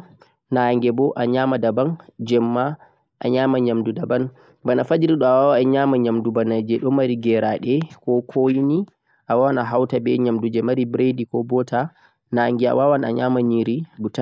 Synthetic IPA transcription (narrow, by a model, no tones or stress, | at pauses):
naŋɡɛbɔʔaɲamadaband͡ʒɛmːa | ʔa̰ɲaːmaɲamdudaban | banafad͡ʒiɾiɗɔawawaɛɲamaɲamdubanad͡ʒɛɗɔmaɾiɡɛɾaɗɛkɔkʰojini | ʔawawanaɦawtabɛɲamdud͡ʒɛmaɾibɾedikɔbɔta | naŋɡia̰wawana̰ɲamaniɾiɡuta